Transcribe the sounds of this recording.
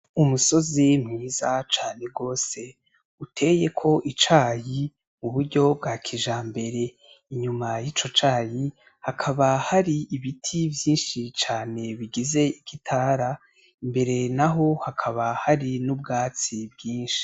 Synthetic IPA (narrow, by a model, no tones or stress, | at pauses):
umuso̞zimŋiːzat͡ʃaːne̞ɡo̞ːse̞ | utʰe̞je̞kʰo̞ʔit͡ʃaːji | muβuɾɟo̞b̚ɡaːkʰiʒambe̞ɾe̞ | iɲumajit͡ʃo̞t͡ʃaːji | hakʰaβahaɾiiβitʰivjiːnʃit͡ʃaːne̞βiɡize̞ikitʰaːɾa | imbe̞ɾe̞naɦo̞hakʰaβahaɾinubɡaːt͡sibɡiːnʃi̥